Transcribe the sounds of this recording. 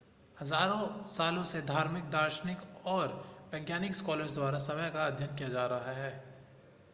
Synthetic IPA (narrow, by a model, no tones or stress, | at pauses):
hɐzaːɾõsaːlõsed̪ʱaːɾmɪk̚d̪aːɾʃənɪkɔːɾʋɛːɡjaːnɪkskɔːləɾd͡ʒd̪waːɾasɐməjkaːd̪ʱjənkijad͡ʒaːɾaɦaɦɛː